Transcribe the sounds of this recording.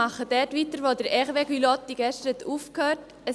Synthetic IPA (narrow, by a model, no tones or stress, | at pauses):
ɑχəd̥ɛtʋiːtəɾʋoːdəɾɛχʋeɡylɔt̪ːiɡ̥ɛʃtəɾɛtuːfkhøːt | ə